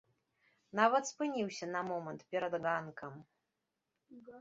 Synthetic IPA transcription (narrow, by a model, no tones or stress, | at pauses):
navɐt̪spɨnʲiwsʲɐnɐmɔmɐnt̪pʲɛɾɐd̪ɣankʰɐm